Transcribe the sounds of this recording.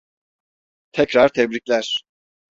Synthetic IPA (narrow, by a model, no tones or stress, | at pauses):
t̪ʰɛcɾaɾt̪ʰɛbɾiclʲæɾ̥